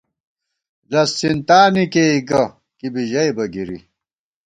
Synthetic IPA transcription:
lɐsːint̪aːnikeiɡɐ | kibiʑɐjbɐɡiɾḭ

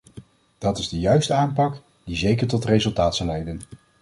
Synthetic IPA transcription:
d̥ɑtɪzdəjœɥstəaːmpɑk | d̥izejkəɹtɔtrejzɵlˠtaːtsɑlɛjdən

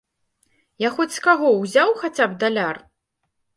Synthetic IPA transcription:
jaxɔt͡sʲskaɣɔwzʲawxat͡sʲab̚d̪alʲar

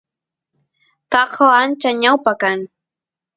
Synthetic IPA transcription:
tɑqawant͡ʃaɲawpakaŋ

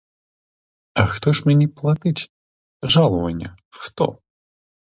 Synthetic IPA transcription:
ɐxt̪ɔʂmʲanʲɛplˠat̪ɨt͡sʲ | ʐalˠɐvɐnʲːɐ | xt̪ɔ̰

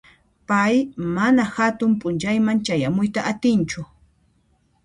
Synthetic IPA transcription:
pajmanahat̪ʊmpʼʊnt͡ʃajmant͡ʃajamʊjt̪aʔat̪ɪnt͡ʃʊ

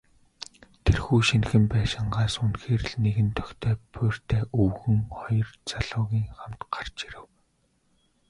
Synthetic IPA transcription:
t̪ʰerxuːʃinxɘ̆mpæːʃɪ̆ɴɢaːsunxeːrɘ̆ɮneɣɘ̆nt̪ʰœ̥kt̪ʰeːpʰʊːr̥t̪ʰeːʔɵwɣɘ̆ŋχɔjɞ̆rt͡saɮʊːɣʲiːŋχamt̪ɢ̥ar̥t͡ɕiɾɘ̆w

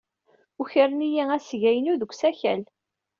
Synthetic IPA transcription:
uçəɾənijææsʝæjənuðəɡʷsæçæl

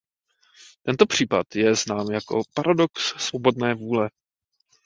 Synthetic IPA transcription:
t̪ɛnt̪o̞pr̝̥iːpat̪jɛznaːmjako̞̰paɾado̞kssvo̞bo̞dnɛːvuːlɛ

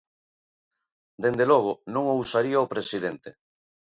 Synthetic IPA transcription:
d̪end̪elɔɣ̞ʊnõŋowsaɾiaopɾesiðent̪e

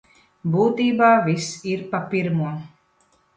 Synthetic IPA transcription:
buːt̪iːbaːvisiɾpapiɾmuɔ

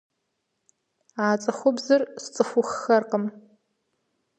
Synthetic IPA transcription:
aːt͡sʼɐxʷʊbzɨrst͡sʼɨxʷʊxːɐrqəm

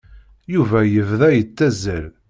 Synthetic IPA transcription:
juvæjəvðæjət͡sːæzəɾ

